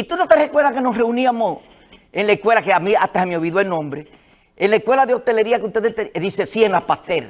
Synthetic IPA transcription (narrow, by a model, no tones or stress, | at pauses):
it̪unot̪eɾeekweðakenosre̞uniamos | enlaehkwe̞lakeamiat̪ahamioβiðwoelnõmbɾe | enlaehkwe̞laðeo̞ht̪e̞le̞ɾiakeuht̪e̞ðet̪eðisesieŋlapast̪el